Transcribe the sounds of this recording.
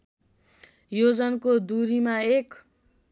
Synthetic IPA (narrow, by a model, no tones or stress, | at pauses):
jod͡zʌnkod̪uɾimaek